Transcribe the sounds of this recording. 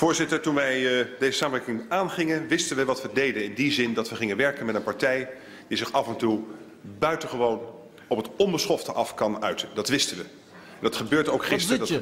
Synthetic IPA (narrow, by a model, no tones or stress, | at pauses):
fʊːɹzɪtəɹtunʋɛjdejzəsaːməʋɛɹkɪŋaːnχɪŋənʋɪstənʋəʋɑtʋədejdənɪndizɪndɑtʋəχɪŋənʋɛɹkənmɛtənpɑɹtɛj | dizɪχɑvɛntu | bœɥtəχəʋown | ɔpɦətɔmbəsχɔftəʔɑfkɑnœɥtəndɑtʋɪstənʋə | ɛndɑtχəbøːɹdəowkχɪstd